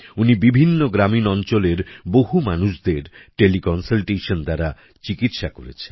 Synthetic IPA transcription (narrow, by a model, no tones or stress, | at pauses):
unibibʱinːoɡɾaminɔnt͡ɕoleɾboɦumanuʃd̪eɾʈelikɔnsalʈeʃond̪aɾa | t͡ɕikit̪ʃako̰ɾḛt͡ɕʰen